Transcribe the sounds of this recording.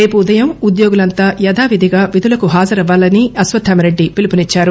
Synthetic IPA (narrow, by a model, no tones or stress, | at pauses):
ɾe̞ːpuːd̪ɐjɐmud̪joːɡulɐnt̪aːjɐd̪aːʋid̪ʱiɡaːʋid̪ʱulɐkuɦaːd͡ʒɐɾɐʋːaːlɐniɐsʋɐd̪ʰʱːɐmɐɾe̞ɖːipilipunit͡ʃːaːɾu